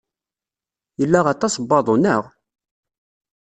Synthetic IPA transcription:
jəlːaʁɑt̪ˤɑsbːɑðˤonəʁ

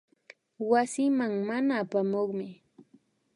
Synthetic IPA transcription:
wasɪmaŋmanaːpamoχmɪ

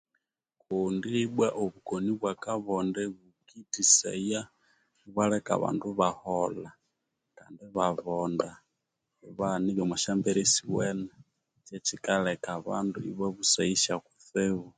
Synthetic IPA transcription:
kundiɓwaʔɔβukɔniβwakaβɔndɛβukitisɛ̰ja | βwalɛka̰βa̰nduβahɔla | kandiβaβɔnda | βaniβɛmwaʃambɛɾɛsiwɛna | t͡ʃɛt͡ʃikalɛkaβa̰nduḭβaβusaiʃakuθɛβu

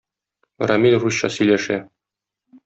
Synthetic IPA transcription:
rɐmʲilruɕɕɑsɵ̆jlæʃæ

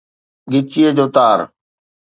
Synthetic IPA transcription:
ɡɪt͡ʃiːəd͡ʑoːt̪aːɾ

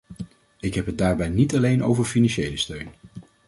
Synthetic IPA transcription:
ɪkɦɛpɦət̚daːɹbɛjnitɑlejnʔo̰wvəɹfinɑnʃejləstøɥn

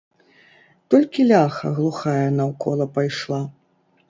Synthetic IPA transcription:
t̪ɔlʲkʲilʲaxɐ̰ɣlˠuxajɐnɐwkɔlˠɐpajʂlˠa

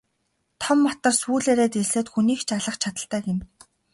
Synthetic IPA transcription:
t̪ʰɔmːɔt̪ɞ̆rsuːɮeːɾeːt̪esĕːt̪xuniːkt͡ɕʰaɮə̆χt͡ɕʰat̪ə̆ɬt̪æːɡen

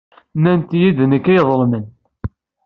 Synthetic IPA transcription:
nænt̪jiðnəkːæjðˤəlmən

